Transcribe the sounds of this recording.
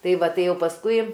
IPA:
ˈtɐɪ ˈʋɐ ˈtɐɪ ˈjɛʊ pɐsˈkʊɪ

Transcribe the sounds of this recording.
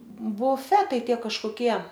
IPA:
bʊˈfʲæːtɐɪ ˈtʲiɛ kɐʃkoːˈkʲiɛ

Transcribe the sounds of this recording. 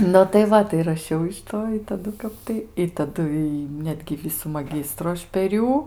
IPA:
nʊ tɐɪ ˈʋɐ tɐɪ rɐˈʃʲɛʊ ɪʃ ˈtoː ɪ tɐˈdʊ ˈkɐp tɐɪ ɪ tɐˈdʊ iː ˈnʲæːdʲɡʲɪ ˈʋʲɪsuː mɐˈɡʲɪstrʊ ˈɐʃ pʲɛr ˈjuː

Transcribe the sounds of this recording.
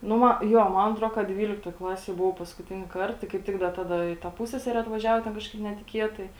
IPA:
ˈnʊ ˈmɐ ˈjoː ˈmɐn ɐtˈroː kɐ ˈdʲʋʲiːlʲɪktoːj ˈklˠɑːsʲeːj bʊˈʋɐʊ pɐskʊˈtʲɪnʲɪ ˈkɐrt ˈtɐɪ kɐɪp ˈtʲɪk ˈdɐ ˈtɑːdɐ ɪ ˈtɐ ˈpʊsʲsʲɛsʲɛrʲɛ ɐtʋɐˈʒʲæːʋoː ˈtʲɛn ˈkɑːʃkɐɪp nʲɛtʲɪˈkʲiɛtɐɪ

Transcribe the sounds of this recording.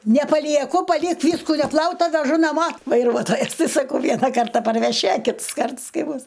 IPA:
nʲɛpɐlʲiɛˈkʊ pɐˈlʲɪk ˈʋʲiːskʊ nʲɛˈplˠɐʊtɐ ʋʲɛˈʒʊ nɐˈmoː ʋɐɪˈruɔtoːjɛs sɐˈkɐʊ ˈʋʲiɛnɐ ˈkɐrtɐ pɐrʲʋʲɛˈʃʲɪ ɐ ˈkʲɪts ˈkɐrts ˈkɐɪ ˈbʊs

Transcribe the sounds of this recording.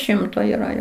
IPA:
ˈʃʲɪmtoː iːˈrɐ ˈjoː

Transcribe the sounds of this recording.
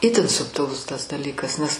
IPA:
ˈɪtʲɪn sʊpʲtʲɪˈlˠʊs tɐs dɐˈlʲiːkɐs nʲɛs

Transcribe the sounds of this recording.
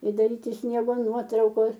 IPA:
ɪ dɐˈrʲiːtʲɪ ˈsʲnʲiɛɡoː ˈnuɔtrɐʊkoːs

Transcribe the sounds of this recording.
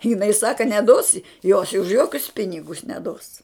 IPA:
jɪˈnɐɪ ˈsɑːkɐ nʲɛˈdoːs ɪ joːs ʊʃ ˈjoːkʲʊs ˈpʲɪnʲɪɡʊs nʲɛˈdoːs

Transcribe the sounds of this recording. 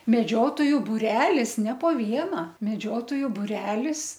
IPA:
mʲɛˈd͡ʒʲoːtoːjʊ bʊˈrʲæːlʲɪs nʲɛ poː ˈʋʲiɛnɐ mʲɛˈd͡ʒʲoːtoːjʊ bʊˈrʲæːlʲɪs

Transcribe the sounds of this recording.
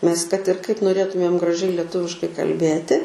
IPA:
nʲɛs kɐt ɪr kɐɪp noːˈrʲeːtʊmʲeːm ɡrɐˈʒʲɛɪ lʲɛˈtʊʋʲɪʃkɐɪ kɐlʲˈbʲeːtʲɪ

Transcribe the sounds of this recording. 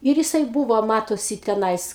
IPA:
ˈɪr jɪˈsɐɪ ˈbuːʋoː ˈmɑːtoːsʲɪ tʲɛˈnɐɪs

